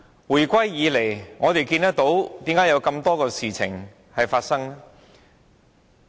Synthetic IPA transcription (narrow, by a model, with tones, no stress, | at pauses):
wuː˨˩jkʷɐ˥jjiː˨˧le˨˩jŋɔː˨˧t̪e˨jkiː˧nt̪ɐ˥k̚t̪o˨˥wt̪iː˨˥mkaː˨˥jɐ˨˧wkɐ˧mt̪ɔː˥kɔː˧siː˨˩t͡sʰɪ̰˨˩ŋ | hɐ˨jfaː˧t̚sɐ˥ŋ